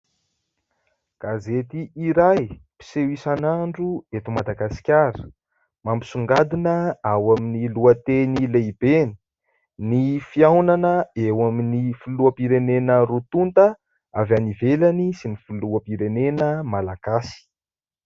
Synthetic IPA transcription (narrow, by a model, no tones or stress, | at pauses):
ɡ̥azet̪iʔiɾajpi̥sewisanaɳɖ͡ʐuet̪umad̪aɡasi̥kʲaɾə̥ | mambisuŋɡad̪inəawaminiluət̪enilebeni̥ | nifiawnanəewaminifuluapiɾenenəɾut̪unt̪ə | avanivelanisinifuluəpiɾenenəmalaɡ̥asi̥